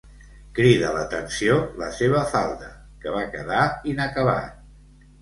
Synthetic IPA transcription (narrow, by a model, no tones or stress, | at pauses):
kɾiðələt̪ənsiolə̰seβ̞əfalˠd̪ə | kəβ̞akəðainəkəβa̰t̪